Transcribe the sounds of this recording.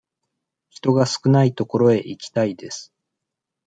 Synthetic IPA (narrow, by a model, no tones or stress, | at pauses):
çi̥t̪o̞ɡasɨ̥kɯ̟nait̪o̞ko̞ɾo̞e̞ʔikʲi̥t̪aid̪e̞sɨ̥